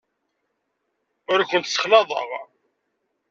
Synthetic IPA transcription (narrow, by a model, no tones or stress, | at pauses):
ʊɾakʷənt̪sə̥χlɑðˤə̰ʁ